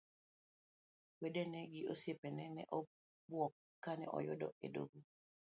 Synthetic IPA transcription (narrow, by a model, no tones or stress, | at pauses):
wedenɛɡɪosjepɛnɛnɛ̰ʔɔ | bwɔkːanɛ̰ʔɔ̰jʊdɔ̰ḛdo̰ɡo